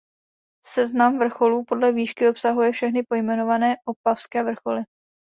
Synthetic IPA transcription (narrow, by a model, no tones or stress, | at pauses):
sɛznamvr̩xo̞luːpo̞dlɛviːʃkɪo̞psaɦujɛfʃɛxnɪpo̞jmɛno̞vanɛːʔopafskɛːvr̩xo̞lɪ